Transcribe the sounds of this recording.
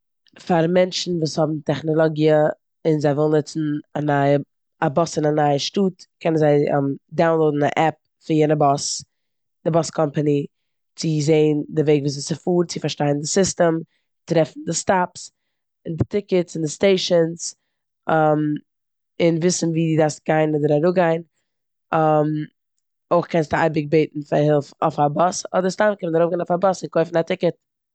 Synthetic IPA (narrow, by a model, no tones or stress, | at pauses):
faɾmɛnt͡ʃn̩vuːshɔbm̩tɛχnɔlˠɔɡiə | ɪnzaɪvɪlˠnɪt͡sn̩anaɪə | abɔsɪnanaɪəʃtuːtkʰɛnənzaɪ̰mdaʊnlˠoʊdn̩a̰ʔɛp̚ | fɪnjɛnəbɔs | d̥ɪbɔskʰɔmpəni | t͡sɪzeɪndɪveɪɡvuːs̬ɪt͡sɪfuːɾt͡sɪfaɾʃtaɪn̩dɪsɪstəm | tɾɛfn̩dɪstaps | ɪndɪtɪkətsɪndɪsteɪʃəns | am | ɪnvɪsn̩viːdidast̚ɡ̥aɪnɔdəɾaɾʊɡaɪn | am | oɪχkʰɛnsta̰ɪbɪk̚beɪtn̩fahɪlˠfɔ̰fabɔsɔ̰dəɾstamkɛnənaɾoʊbɡanɔfabɔsɪnkoɪfn̩atʰɪkət̚